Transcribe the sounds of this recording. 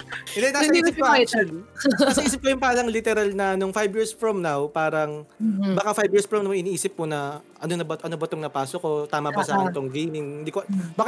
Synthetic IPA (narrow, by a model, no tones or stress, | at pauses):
ɪnd̪ɛnaisɪp̚koʔaat͡ʃɛnasɐʔiːs̬ɪp̚kɐjʊŋpaːɾɐŋlɪt̪ɛɾɐlnɐnoŋfajbjiːɹsfɹomnawpaːɾɐŋbɐkafajbjiːɹsfɹɐmnɐwʔɪniːʔiːsɪp̚kʊnɐ | ɐnonɐbɐt̪ʔɐnobɐt̪oŋnɐpaːsokot̪aːmɐbɐsaɪnt̪oŋɡejmɪŋnd̪ikobaːk